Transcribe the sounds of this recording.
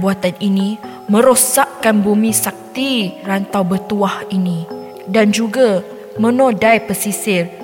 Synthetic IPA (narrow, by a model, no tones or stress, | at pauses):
buat̪aninĩ | mə̃ɾosaʔkanbumĩsak̚t̪irant̪awbət̪uahinĩ | dand͡ʒuɡa | mə̃nodajpəsisɪr